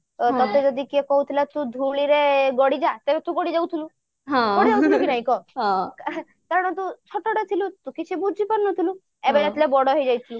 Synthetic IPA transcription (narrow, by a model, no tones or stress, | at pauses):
t̪ɔt̪ed͡ʒɔd̪ikiɔkɔɦut̪ʰilat̪ũd̪ʱuɭiɾeɡɔɽid͡ʒat̪ebet̪ũɡɔɽid͡ʒawt̪ʰilu | ɦãɡɔɽid͡ʒawt̪ilukinaɦĩkɔɦɔ̃k | kaɾɔɽ̃ɔt̪ũt͡ʃʰɔʈɔʈɔt̪ʰilut̪ũkit͡ʃʰibud͡ʒʱipɔɾnɔt̪ʰilu | ebeɾat̪ʰilebɔɽɔɦejd͡ʒajt̪ʰilu